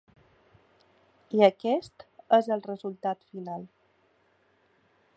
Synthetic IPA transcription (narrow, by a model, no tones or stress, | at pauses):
iəkɛst̪əzəlˠrəzulˠt̪at̪finalˠ